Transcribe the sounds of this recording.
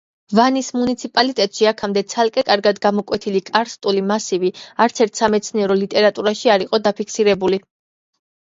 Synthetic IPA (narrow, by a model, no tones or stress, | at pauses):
vanismunit̪sʰipʼalit̪ʼɛt̪ʼʃiakʰamd̪ɛt̪sʰalˠkʼɛkʼaɾɡad̪ɡamɔkʼwɛt̪ʰilikʼaɾst̪ʼulimasiviaɾt̪sʰɛɾt̪ʰsamɛt̪sʰniɛɾɔlit̪ʼɛɾat̪ʼuɾaʃiaɾiqʼɔd̪apʰikʰsiɾɛbuli